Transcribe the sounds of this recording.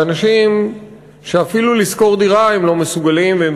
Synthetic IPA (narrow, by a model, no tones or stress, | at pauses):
anaʃim | ʃe̞afilulisko̞ʁd̪iʁaemlo̞mesuɡalimveem